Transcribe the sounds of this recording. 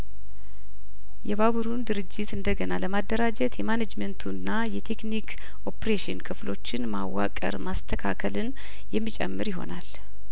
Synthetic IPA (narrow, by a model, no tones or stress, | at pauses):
jɛβaβuɾund̪ɨɾɨd͡ʒːɪt̪ɨnd̪əɡənaləmad̪ːəɾad͡ʒət̪jɛmanad͡ʒmənt̪ʰunːajɛt̪ʰe̞knikʰ | ʔo̞pɾeʃɪnkʰɨflo̞̰t͡ʃːɪnma̰wːa̰kʼə̰ɾmast̪ʰəkʰakʰəlɨn | jɛmːit͡ʃʼɛ̰mːɨɾjɪɦo̞̰nal